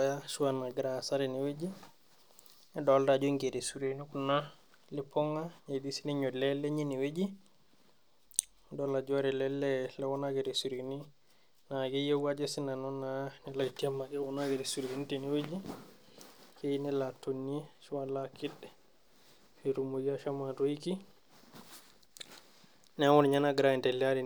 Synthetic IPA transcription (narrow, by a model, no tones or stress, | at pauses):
ajaʃuwanaɡɾasaɾɛnɛwed͡ʒi | ɛdɔldad͡ʒɔŋɡedɛsuɾenɔkuna | lɛpɔŋɡaɲedisinɛɲɔlɛlɛɲeniwed͡ʒi | dɔlad͡ʒɔɾɛlɛlːɛlɛwɔnaɡɛɾɛsuɾeni | naɡɛjewwad͡ʒɛsinanɔnːanɛlatiamːaɡɛwɔnaɡɛɾɛsuɾɡinitiniwed͡ʒi | kejnɛlatonːit͡ʃuwalakidːɛ | fiɾumuɡiaʃamadojiki | nɛawɔnɲanaɡɾaɛntɛliadi